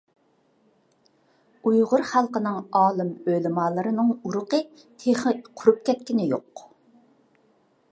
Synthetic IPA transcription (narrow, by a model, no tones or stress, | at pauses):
ujʁʊɾχælˠqənɨŋɑːlˠɨmølɪmɑːlˠɨɾɨnɨŋuɾʊqə | t̪ʰeχqʰʊɾup̚kʲɛt̪̚kʲinɪjoq